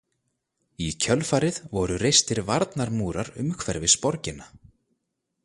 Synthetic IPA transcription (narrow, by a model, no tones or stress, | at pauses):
icʰœlfaːɾɪðvɔɾʏrejst̪ɪɾvaɾt̪naɾmuːɾaɾʏ̰mkʰvɛɾvɪspɔɾcɪna